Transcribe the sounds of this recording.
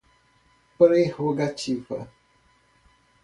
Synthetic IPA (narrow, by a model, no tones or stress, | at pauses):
pɾehoɡat͡ʃivɐ̰